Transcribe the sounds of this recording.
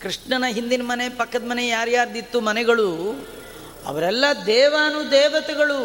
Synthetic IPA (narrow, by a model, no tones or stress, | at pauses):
kɾiʂɳɐnɐɦind̪inɐmɐnepɐkːɐd̪mɐnejaːɾjaːɾd̪it̪ːumɐnɛɡɐɭu | ɐ̰ʋɐɾɛlːɐd̪ɛːʋaːnud̪ɛːʋɐt̪ɛɡɐɭu